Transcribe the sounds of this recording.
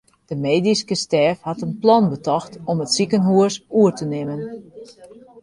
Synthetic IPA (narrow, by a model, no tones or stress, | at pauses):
d̥əmeːdiskəstɛːfhatənplɔnbətɔxtɔmətsikənɦuəsuərtənɪmən